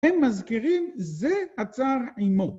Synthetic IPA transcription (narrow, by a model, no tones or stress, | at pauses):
ɛmːazkiʁimzeat͡saʁʕimo